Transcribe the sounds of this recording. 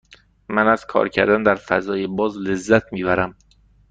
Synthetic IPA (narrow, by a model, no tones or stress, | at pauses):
mænæz̥kʰɒ̰ːɾcʰæɾd̪ænd̪æɾfæ̰zɒːjebɒːzle̞zːæt̪ʰmiːbæɾæm